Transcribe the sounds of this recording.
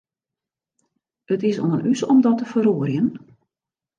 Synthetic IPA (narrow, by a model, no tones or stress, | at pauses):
ətɪsɔ̰nənysɔmdɔtəfəroːərjən